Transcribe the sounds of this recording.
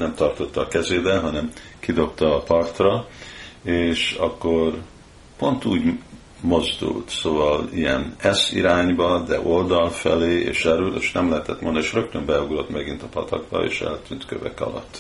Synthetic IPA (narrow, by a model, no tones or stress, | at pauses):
nɛmt̪ɒrt̪o̞t̪ːɒːkɛzeːbɛɦɒnɛm | kid̪o̞pt̪ɒːpɒrt̪rɒ | eːʃɒkːo̞r | po̞nt̪uːɟ | mo̞zd̪ṵlt̪soːvɒlijɛ̰nɛsḭɾaːɲbɒd̪ɛʔo̞ld̪ɒlfɛ̰leːeːʃɛɾyleːʃnɛmlɛɦɛt̪ɛt̪mond̪eːʃrø̞k̚t̪ømbɛjuɡro̞t̪mɛɡint̪ɒpɒt̪ɒ̰ɡbɒ̰ḛːʃɛ̰lt̪ynt̪kø̰vɛ̰kɒ̰lɒ̰t̪ː